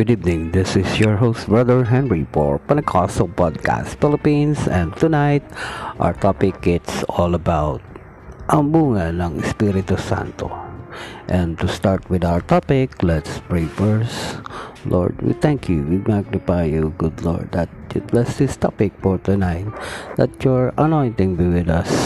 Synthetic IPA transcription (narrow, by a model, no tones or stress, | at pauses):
ɡ̥ʊd̪ivnɪ̃ŋðɪsɪsjɔɹɦoʊst̪̚bɹʌðəɹɦɛ̃nɹipɔ̰ɹpɐ̃nkʰɔsɔlpɔd̪̚kʰa̰st̪fɪlɪpĩnsɛ̃nt̪unaɪt̪̚ʔa̰ʊwəɹt̪ʰɔpɪk̚ːɪt̪sɔlɐbaʊt̪̚ | ʔɐŋbuːŋanɐŋɪspiɾɪt̪usã̰nt̪o̰ | ʔɛ̃nt̪ust̪aɹt̪wɪd̪awə˞t̪ɔpɪklɛt̪spɹeɪfəɹslʔɔ̰ɹd̪wḭθɛ̃ŋkʰjuwimaɡ̚nɪpajuɡʊd̪lɔ̰ɹd̪ɐt̪̚jʊblɛsd̪ɪst̪ɔ̰pɪk̚fɔɹt̪ʊnaɪt̪̚d̪ɐt̪jɔɹɐnɔ̃ɪnt̪ɪ̃ŋbiwɪd̪ʌs